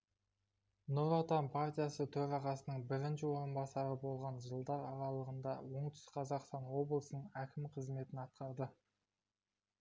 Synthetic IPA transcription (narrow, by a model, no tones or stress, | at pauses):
noɾot̪ɑnpʰaɾt̪ʲijasət̪ʰɵɾɑʁɑsənəɴbɪɾɪnʃɪwo̞ɾənbɑsɑɾəbo̞lˠʁɑnʒəlˠd̪ɑɾɑɾɑlˠəʁənd̪ɑwo̞ɴt̪ʰʏ̥sqʰɑzɑqst̪ɑnwo̞blˠsənəɴækʲʰɪmqʰəzme̞t̪ɪnɑt̪̚qɑɾd̪ə